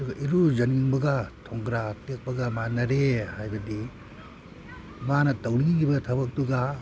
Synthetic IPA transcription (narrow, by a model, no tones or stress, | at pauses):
ɐduɡɐʔiɾuzɐniŋbɐɡɐtʰoŋɡɾatek̚pɐɡɐmanɐɾehajbɐdi | manɐtɐwniŋɡibɐtʰɐbɐk̚tuɡa